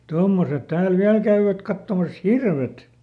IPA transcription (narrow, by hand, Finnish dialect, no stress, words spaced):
tomːoset tæːl ʋiæl kæyʋæt kɑtːomɑs hirʋet